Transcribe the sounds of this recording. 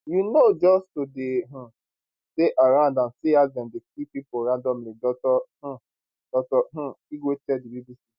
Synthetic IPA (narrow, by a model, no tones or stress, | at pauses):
junod͡ʒɔstodeɦũ | steʔaɾãʊ̃ndãnseaɡɛ̃ndekipipoɾãndɔ̃mlidɔtɔh̩ | d̥ɔtɔɦ̩iɡetɛdibibisi